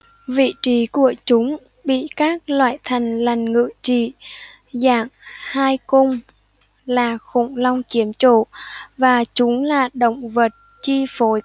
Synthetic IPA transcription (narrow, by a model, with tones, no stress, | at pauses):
vḭ˧˨t͡ɕi˨˦ku˧˩ət͡ɕʊ˨˦ŋ͡m | ɓḭ˧˨kaː˦˥k̚lwa̰ː˧˨jt̪ʰa˨˩jŋ̟la˨˩jŋ̟ŋɨ̰˧˨t͡ɕḭ˧˨ | za̰ː˧˩ŋhaː˧jkʊ˧wŋ͡m | laː˨˩xʊ̰˧˩ŋ͡mlɔ˧wŋ͡mt͡ɕi˨˦əmt͡ɕo̰˧˨vaː˨˩t͡ɕʊ˨˦ŋ͡mlaː˨˩ɗə̰˧˨wŋ͡mvə˨˩t̚ | t͡ɕi˧fo˨˦j